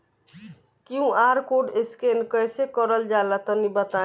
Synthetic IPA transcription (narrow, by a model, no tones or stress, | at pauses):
kiũʔaɾkoɖeskenkəjsekɔɾəld͡ʒalat̪ɔnibət̪a